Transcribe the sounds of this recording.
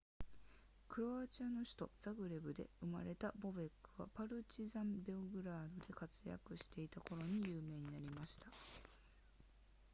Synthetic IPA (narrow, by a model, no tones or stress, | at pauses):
kɯ̟ɾo̞aːt͡ɕiano̞ɕi̥t̪o̞z̥aɡɯ̟ɾe̞bɯ̟d̪e̞ɯ̟ma̰ɾe̞t̪abo̞be̞kːɯ̟βa̰paɾɯ̟t͡ɕizãmbeoɡɯ̟ɾaːd̪o̞d̪e̞kat͡sɨja̰kɯ̟ɕi̥t̪e̞it̪ako̞ɾo̞ɲ̟ijɯːme̞ːɲ̟inaɾʲimaɕi̥t̪ḁ